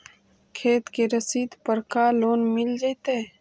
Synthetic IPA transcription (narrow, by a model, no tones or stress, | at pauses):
kʰeːt̪keɾəsiːd̪pəɾkaːloːnmɪld͡ʒait̪e